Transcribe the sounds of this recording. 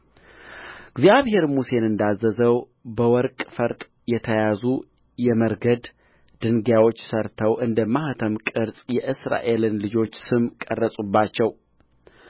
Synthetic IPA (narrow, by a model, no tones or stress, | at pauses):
ɨɡzijaβhe̞ɾmuse̞nɨnd̪azːəzəw | bəwɔɾkʼfəɾt̪ʼ | jɛt̪ʰəjazu | jɛməɾɡəd̪ | d̪̥ɨŋɡjawo̞t͡ʃːsəɾt̪ʰəwʔɨnd̪əmːaht̪ʰəmkʼɨɾsʼjɛʔɨsɾa̰ʔe̞lɨnlɨd͡ʒo̞t͡ʃːsɨmkʼərːəsʼubːat͡ʃːɛw